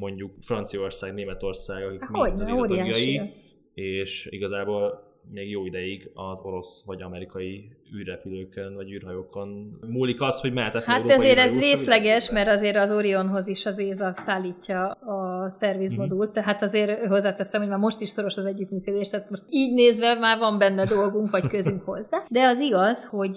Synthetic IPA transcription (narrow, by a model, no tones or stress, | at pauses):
mo̞ɲɟukfrɒnt̪sijo̞rsaːɡneːmɛt̪o̞rsaːɡɒkimoɟoːɾijaːjʃji | eːʃḭɡɒzaːboːl | meːɡjoːid̪ɛjiɡɒzo̞ɾo̞sʋɒɟɒmɛɾikɒji | yːrːɛpyløːkønvɒɟyːrɦɒjoːko̞nmuːlikɒst̪ho̞ɟmɛat̪ɛhaɒzeːɾɛzreːslɛɡɛʃmɛrɾt̪ɒzeːɾɒzoɾio̞nɦo̞ziʃɒzeːzɒsaːlːiːcːɒː | sɛrʋizmod̪ult̪ːɛɦat̪ɒzeːrɦo̞zːaːt̪ɛsːɛmhoɟmaːrmo̞ʃt̪iʃso̞ɾo̞ʃɒzɛɟːyt̪myːkød̪eːʃt̪aːt̪mo̞ʃt̪iːɟneːzʋɛmaːrvɒmbɛnːɛd̪o̞lɡuŋkʋɒckøzyŋkho̞zːaːd̪ɛɒziɡɒzho̞ɟ